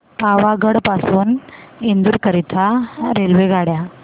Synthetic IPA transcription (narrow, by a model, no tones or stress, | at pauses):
paʋaɡəɽpasuːnind̪uɾkəɾit̪ʰaɾelʋeɡʱaɽja